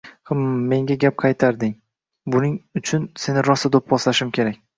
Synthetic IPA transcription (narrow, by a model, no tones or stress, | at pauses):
hamːe̞ŋɡʲaɡʲap̚qʰɑjt̪ʰaɾd̪ɪŋ | bʊnɪŋʊt͡ʃʰʊnse̞nɪɾɒsad̪op̚bɒslaʃɪmkʲʰe̞ɾak̚ʲ